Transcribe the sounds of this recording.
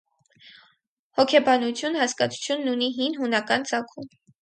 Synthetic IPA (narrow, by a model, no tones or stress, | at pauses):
hɔkʰɛbɑnut͡sʰjunhɑskɑt͡sʰu̥t͡sʰjunːuniɦinɦunɑkɑnt͡sɑkʰum